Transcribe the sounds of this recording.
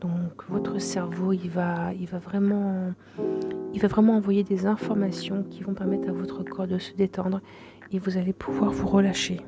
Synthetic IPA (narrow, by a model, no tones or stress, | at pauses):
d̪̥ɔ̃kvɔt̪χəsɛʁvoilvailvavʁɛmɑ̃ | ilvavʁɛmɑ̃ːvwajed̪ezɛ̃fɔʁmasjɔ̃kʲivɔ̃pɛʁmɛt̪χavɔt̪χəkʰɔʁd̪əsə̥d̪et̪ɑ̃d̪ʁ | evuzalepʰuvwaʁvuʁəlaʃe